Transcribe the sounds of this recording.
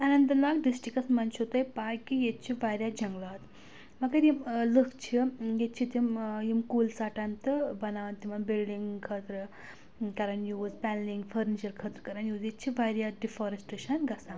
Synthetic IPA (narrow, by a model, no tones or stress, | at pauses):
ɐnɐnt̪ɐnaːkɖisʈɾikɐsmɐnt͡ʃʰot̪ɐjpaːkːijet̪̚t͡ʃʰiʋaːɾjad͡ʒɐŋɡlaːt̪ | mɐɡɐɾjimlɨkʰt͡ʃʰijet̪̚t͡ʃʰit̪imjimkuːlsaːʈant̪ɨbɐnaːʋɐnt̪imɐnbilɖiŋɡkʰət̪ɾɨ | kɐɾɐnjuːzpʲɛːnliŋɡfʰəɾnit͡ʃɐɾkʰət̪ɾəkɐɾɐnjuːzjet̪t͡ʃʰiʋaɾjaɖifoːɾɐsʈeʃɐnɡɐsaːm